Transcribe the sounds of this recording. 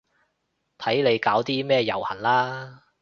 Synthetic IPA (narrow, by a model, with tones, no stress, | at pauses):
t̪ʰɐ˨˥jle˨˧jkaː˨˥wt̪iː˥mɛː˥jɐ̰˨˩whɐ˨˩nlaː˥